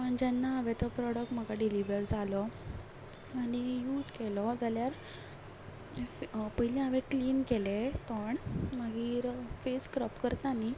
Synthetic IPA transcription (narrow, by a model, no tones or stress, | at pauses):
əɳd͡ʑanːaːʋɛt̪ɔpɾɔɽək̚ʈm̤əɡaɖiliʋəɾd͡zalɔ | añijuːd͡zkelɔd͡zaljaɾ | pəɦilɛ̃aʋekliːnkelet̪əɳməɡiːɾfeskɾəpkəɾt̪ani